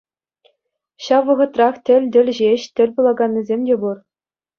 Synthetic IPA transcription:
ɕɑʋːɤ̆ʁɤ̆t̪rɑχtʲɘ̆lʲd̪ʲɘ̆lʲʑeɕt̪ʲɘ̆lʲpulˠɑɡɑnʲːizʲemʲdʲebur

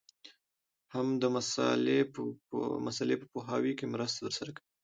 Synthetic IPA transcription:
hamd̪əmasɑ̰le | masalepəpoɦɑwikemɾəst̪at̪əɾsaɾakawi

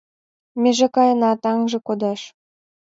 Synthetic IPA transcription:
mʲeʒĕkɑjɤ̆nɑt̪ɑŋʒĕkod̪ɑʃ

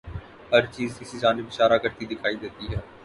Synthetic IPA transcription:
ɦɐɾt͡ʃiːzkɪsid͡ʒaːnɪbɪʃaːɾakɐɾt̪id̪ɪkʰaːid̪eːt̪iɦɛː

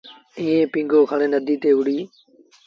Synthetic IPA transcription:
iːẽːpĩːŋɡoːkʰəɽẽːnəd̪ʱiːt̪eːɦʊɽ̤iː

